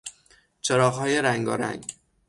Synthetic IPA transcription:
t͡ʃʰeɾɒːɣhɒːje̞ɾæŋɡɒ̰ːɾæ̰ŋɡ

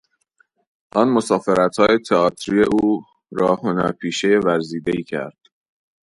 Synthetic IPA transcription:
ʔɒːnmosɒːfe̞ɾæt̪hɒːje̞t̪ʰeɒːt̪ʰɾiːe̞ʔuː | ɾɒːhonæpʰiːʃejevæɾziːd̪e̞iːcʰæ̰ɾd̪̥

